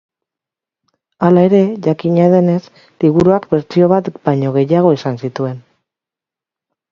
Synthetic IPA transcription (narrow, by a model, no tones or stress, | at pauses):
alae̞ɾe̞ʝakiɲaðe̞ne̞s | liɣuɾuakbe̞ɾt͡sio̞βat̪baɲo̞ɣ̞e̞jaɣ̞o̞isansit̪ue̞n